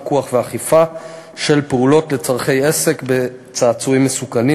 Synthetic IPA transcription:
kuaχveaχifa | ʃe̞lpeulo̞tle̞t͡saʁχe̞jese̞kbe̞ | t͡saːt͡suimːesukani

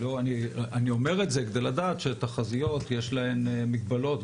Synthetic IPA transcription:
loaniʔanio̞me̞ʁetzeked̪eladaːt̪ʃet̪aχazijo̞tjeʃlae̞mmːiɡ̚balo̞t

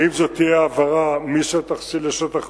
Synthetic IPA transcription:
imzot̪ːijeavaʁamiʃet̪aχsileʃot̪aχ

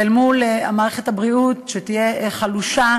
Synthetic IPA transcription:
elmulea̰maːʁeχe̞thabʁiutʃet̪ije̞χaluʃa

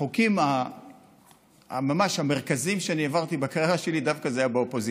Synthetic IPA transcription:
okima | mamaʃhameʁkazimʃeanievaʁt̪ibakaʁjeʁaʃe̞lid̪avkazeajabeopozi

